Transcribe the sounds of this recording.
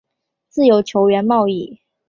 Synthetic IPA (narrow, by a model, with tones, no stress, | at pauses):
t͡sɹ̩˥˩jo˧˥ʊt͡ɕʰjo˧˥ʊɥɛ˧˥nmɑ˥˧ʊi˥˨